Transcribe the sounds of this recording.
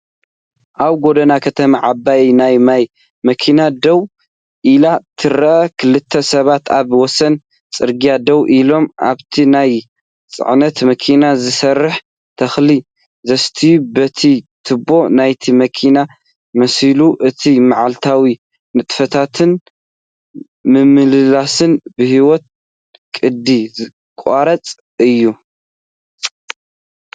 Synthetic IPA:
ʔaβɡod̪ɐnakʰɐt̪ʰɐmaʕabajnajmaj | mɐkʰinad̪ɐw | ʔilat̪ʰɨɾɐʔɐkʰɨlːɨt̪ʰːɐsɐβat̪aβwɔsɐn | t͡sʼɨɾɡijad̪ɐwʔilo̞mʔa̰βt̪ʰinaj | t͡sʼɨ̰ʕnɐt̪mɐkʰinazɨsɐrːɨħ | t̪ʰɐxli | zɐst̪ʰibɐt̪ʰit̪ʰɨbo̞najt̪ʰimɐkʰina | mɐsiluʔɨt̪ʰimaʕalt̪ʰawi | nɨt̪ʼfɐt̪ʰat̪ʰɨn | mɨmɨlɨlasɨnbɨhiwɔt̪̚ | kʼɨd̪izɨ | kʼaɾɐt͡sʼ | ɨjːu

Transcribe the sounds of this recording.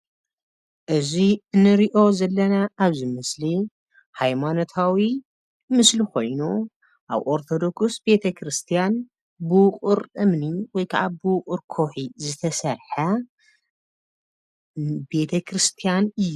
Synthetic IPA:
ʔɨziɨnːɨɾiʔo̞zɐlːɐnaʔːβzimɨsli | hajmanot̪ʰawi | mɨslikʰo̞̰jnu | ʔa̰βʔo̞ɾt̪ʰo̞d̪o̞ksbe̞t̪ʰɐkʰɾɨst̪ʰijan | bɨwʊqʼɨɾʔɨmniwɔjkʰɐʕabɨwqʼʊɾkʰoħizɨt̪ʰɐsɐɾħɐ | be̞t̪ʰɐkʰɾɨst̪ʰijanɨjːu

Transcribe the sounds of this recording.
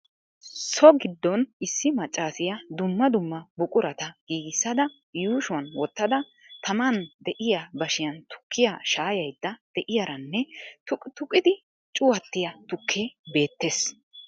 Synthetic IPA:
sɔɡɪd̪ːɔnɪsːɪmɐt͡ʃʼːaːsɪjɐd̪ʊmːɐd̪ʊmːɐbʊkʼʊɾɐt̪ɐɡ̥iːɡɪsːɐd̪ɐ | juːʃʊwɐnwɔt̪ːɐd̪ɐ | t̪ʰɐmɐnd̪ɛʔɪjabɐʃɪjɐnt̪ʊ̥kːɪjaʃaːjɐjd̪̥ːɐd̪̥ɛʔɪjɐɾɐnːɛtʊt̪ʊkʼɪd̪ɪ | t͡ʃʼʊwɐt̪ːɪjɐt̪ʊkʰːeːbe̞ːt̪ːeːs

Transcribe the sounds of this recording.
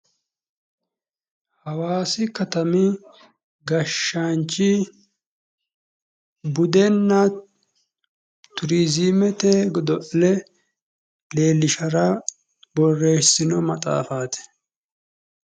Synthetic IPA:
hɐwaːsɪkɐt̪ɐmɪ | ɡɐʃːant͡ʃːɪ | bʊd̪ɛnːɐ | t̪ʊɾizimɛt̪eɡɔd̪ɔʔlɛ | le̞ːlːɪʃɐɾɐ | bɔrːe̞ːsɪnɔmɐt̪ʼa̰ːfaːt̪ɛ̥

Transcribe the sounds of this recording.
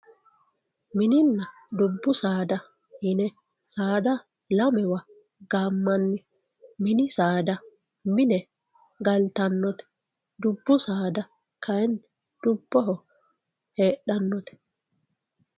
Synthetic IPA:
mɪnɪnːɐ | d̪ʊbːʊsaːd̪ɐ | hɪnɛ | saːd̪ɐ | lɐmɛwɐ | ɡaːmːɐnːɪ | mɪnɪsaːd̪ɐ | mɪnɛ | ɡɐlt̪ɐnːɔt̪ɛ̥ | d̪ʊbːʊsaːd̪ɐ | kʰɐɛn | d̪̥ʊbːɔɦɔ | heːɗɐnːɔt̪ɛ̥

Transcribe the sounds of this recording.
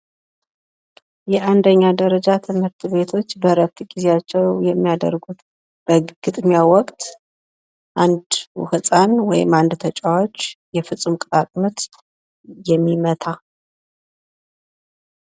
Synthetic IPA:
jɛʔand̪əɲːad̪əɾəd͡ʒat̪ʰɨmhɨɾt̪ʰβe̞t̪ʰo̞t͡ʃːbəɾət̪ɡizejat͡ʃːɛwjɛmːijad̪ə̰ɾɡut̪ | b̥əɡ̥ɨt̪ʼmijawɔkʼt̪ʰ | ʔand̪w̰hɨsʼanwɔjɪ̰mand̪t̪ʰət͡ʃʼawot͡ʃːjɛfɨt͡sʼːumkʼt̪ʼakʼmɨt̪ | jɛmːimət̪ʰa

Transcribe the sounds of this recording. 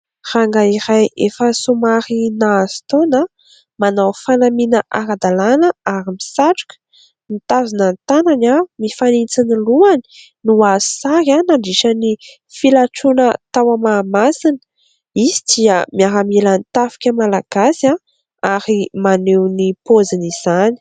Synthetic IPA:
r̥aŋɡaiɾajefəsumaɾinaz̥i̥t̪ona | manawfanaminəʔaɾad̪alanəaɾimisaʈ͡ʂu̥kʲə̥ | nit̪avinant̪ananamifanit͡siniluani̥ | nuazsaɾanaɳɖ͡ʐiʃəni | filaʈ͡ʂunət̪awamamasinə̥ | izi̥d̪iəmiaɾamilanit̪afi̥kʲəmalaɡ̥asa | aɾimanewnipoziniz̥ani̥

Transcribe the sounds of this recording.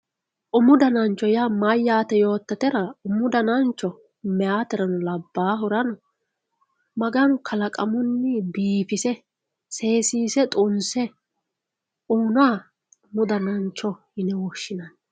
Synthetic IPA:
ʔʊmʊd̪ɐnɐnt͡ʃːɔjamajːaːt̪ɛjo̞ːt̪ːɐt̪ɛɾɐʊmʊd̪ɐnɐnt͡ʃːɔ | mɛaːt̪ɛɾɐnɔlɐbːaːɦʊɾɐnɔ | mɐɡɐnʊkʰɐlɐkʼɐmʊnːɪbiːfɪsɛ | se̞ːsiːsɛt̪ʼʊnsɛ | uːnaː | ʊmʊd̪ɐnɐnt͡ʃːɔhɪnɛwɔʃːɪnɐn

